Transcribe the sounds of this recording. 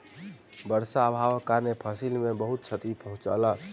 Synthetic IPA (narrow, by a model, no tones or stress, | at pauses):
bəɾsaːbʱaʋəkːaɾnepʰəsilmebəɦut̪̚t͡ʃʰət̪ipəɦũt͡ʃə̰lə